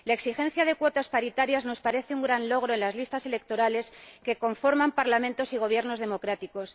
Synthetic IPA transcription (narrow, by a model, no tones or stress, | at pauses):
lae̞ksixẽ̞n̟θjaðe̞kwo̞t̪aspaɾit̪aɾjazno̞spaɾe̞θeuŋɡɾanlo̞ɣ̞ɾo̞enlazlist̪ase̞le̞k̚t̪o̞ɾale̞ske̞ko̞ɱfo̞ɾmãmpaɾlamẽ̞nt̪o̞siɣ̞o̞β̞je̞ɾno̞zðe̞mo̞kɾat̪iko̞s